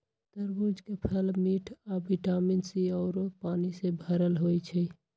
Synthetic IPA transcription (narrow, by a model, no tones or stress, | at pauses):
t̪əɾbud͡ʒʱkepʰəlmiʈʰabiʈaminsiɔʊɾopaːnisebʱəɾəlɦojt͡ʃʰɛ